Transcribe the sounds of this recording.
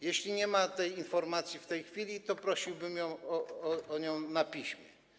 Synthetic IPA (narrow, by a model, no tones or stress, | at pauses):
jeɕlʲiɲɛmat̪ɛjinfɔɾmat̪sʲjift̪ɛjxfʲilʲit̪ɔpɾɔɕiwbɘmjɔ̃w̃ɔɔɔɲɔ̃w̃napʲiɕmʲjɛ̰